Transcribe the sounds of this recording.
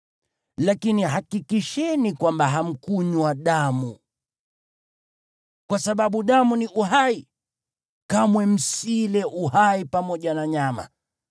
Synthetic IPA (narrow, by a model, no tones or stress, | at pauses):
lakiniɦakikiʃɛnikwambaɦam̩kuɲwaɗamu | kwasaɓaɓuɗamuniʔuɦai | kamwɛm̩silɛʔuhaipamɔʄanaɲama̰